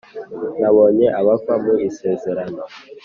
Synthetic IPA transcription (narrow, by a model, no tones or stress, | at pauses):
naβoɲeʔaβakwamuiseːzeɾanɔ